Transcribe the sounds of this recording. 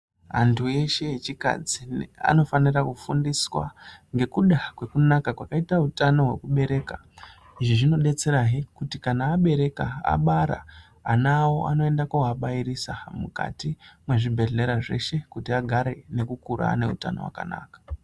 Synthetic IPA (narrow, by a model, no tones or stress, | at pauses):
ɦa̰ntʰue̞ʃe̞jet͡ʃika̰d͡zia̰no̞fanirakufundiswa̰ŋɡe̞kuɗakwe̞kunakakwakaitautano̞ɦwe̞̰kuɓe̞ɾe̞ːka | iʐiʐino̞ɗe̞t͡se̞ɾaɦikutikanaːɓe̞ɾe̞kaa̰ɓaɾa̰ː | nawo̞ʔano̞e̞ndakawaɓaiɾisamuka̰timwe̞ʐibʱe̞rle̞ɾaʐe̞̰ʃe̞kutiaɡʱaɾe̞ne̞kukuɾa̰ne̞ṵta̰nowa̰ka̰na̰ːkḁ